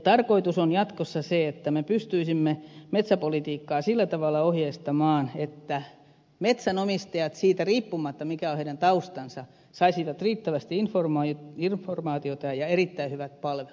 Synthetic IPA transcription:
t̪ɑrkoit̪usonjɑt̪kosːɑseet̪ːæmepyst̪yisimːemet̪sæpolit̪iːkːɑːsilːæt̪ɑʋɑlːɑohjeist̪ɑmɑːnet̪ːæ | met̪sænomist̪ɑjɑt̪siːt̪æriːpːumɑt̪ːɑmikæoheiɾænt̪ɑust̪ɑnsɑ | sɑisiːʋæt̪riːt̪ːæʋæst̪iinformɑirnformɑːt̪iot̪ɑjɑerit̪ːæihyʋæt̪̚pɑlʋe

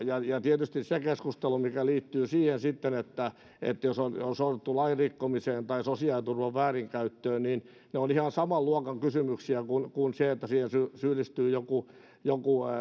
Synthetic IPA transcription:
jɑjɑt̪iet̪yst̪issekeskust̪elumikæliːt̪ːyːsiːhensit̪ːenet̪ːæ | ḛt̪ːjosonjonsoːt̪et̪ːulɑirrikːomiseːnt̪ɑisosiɑlit̪urʋɑʋʋæːriŋkæyt̪ːøːnnin | neonihɑnsɑmɑlluɑkɑŋkysymyksiækunkunseet̪ːæsiːhensysyːlːˑist̪yːjoku | joku

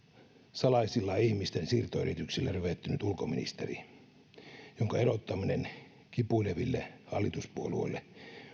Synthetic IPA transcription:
sɑlɑisilːɑihmist̪ensiːrt̪oy̰rit̪yksilːḛryʋet̪ːynyt̪ulkominḭst̪eri | joŋkɑeɾot̪ːɑminen | kipuileʋilːehɑlːit̪uspuoluo̰ilːe

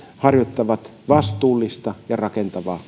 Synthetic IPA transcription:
hɑrjot̪ːɑʋɑt̪ | ʋɑst̪uːlːist̪ɑjɑrɑkent̪ɑʋɑː

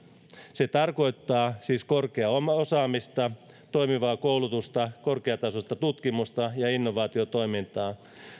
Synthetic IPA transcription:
set̪ɑrko̞jt̪ːɑːsiːskorkeɑomosɑːmist̪ɑ | t̪oimiʋɑːkoulut̪ust̪ɑkorkeɑt̪ɑsost̪ɑt̪ut̪kimust̪ɑjɑinːoʋɑːt̪iot̪oimint̪ɑː

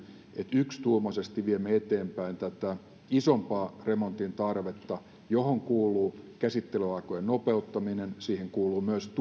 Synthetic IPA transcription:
et̪ykst̪uomosest̪iʋiemːeet̪eːmpæint̪æt̪æ | isompɑːremont̪int̪ɑrʋet̪ːɑ | johoŋkuːlˑuːkæsit̪ːelyɑikojennopeut̪ːɑminensiːheŋkuːluːmyøst̪

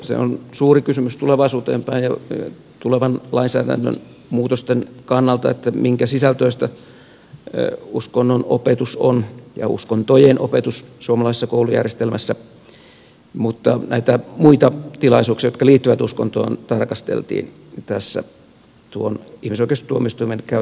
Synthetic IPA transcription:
sḛo̰nsuːrikysymyst̪uleʋɑisuːt̪ḛːmpæinjɑ | t̪uleʋɑnlɑinsæ̰ːdæ̰nːø̰n | muːt̪ost̪enkɑnːɑlt̪ɑet̪ːæmiŋkæsisælt̪øist̪æ | uskonːonopet̪usonjɑ̰ṵskont̪ojenʔopet̪ussuomɑlɑisesːɑkoulujæ̰rjest̪elmæsːæ | mut̪ːɑnʔæit̪æmuit̪ɑt̪ilɑisuːksiɑjot̪kɑliːt̪ːyʋæt̪uskont̪o̰ːnt̪ɑrkɑst̪ḛlt̪ḭːn | t̪æsːæ̰ | t̪uonihmisoikeust̪t̪uomiist̪uimenkæy

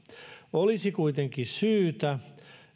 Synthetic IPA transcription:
olisikuit̪eŋkisyːt̪æ

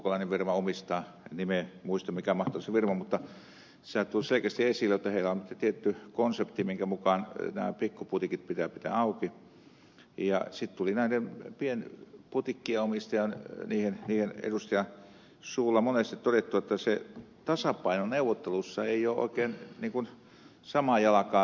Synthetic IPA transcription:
ukolɑˑineʋʋirmɑomist̪ɑː | enimemuist̪ɑmmikæmɑht̪oːseʋirmɑmut̪ːɑ | siæˑt̪ulselkeæst̪iesilːˑæjot̪ːɑheilæonpit̪ːæt̪iet̪ːykonsept̪imiŋkæmukɑˑnnæ̰ːpikːuput̪ikit̪̚pit̪æːppit̪æ̰ɑuki | jɑ̰sit̪t̪ulinæilempienput̪ikːieomist̪ɑjɑnniːhenniːhenḛdust̪ɑjɑn | suːlːɑmonest̪itt̪odet̪ːuet̪ːæse | t̪ɑsɑpɑinoneuʋˑot̪ːelusːɑeioːʔo̰ikˑeːnniːŋkun | sɑmɑjɑlɑkɑː

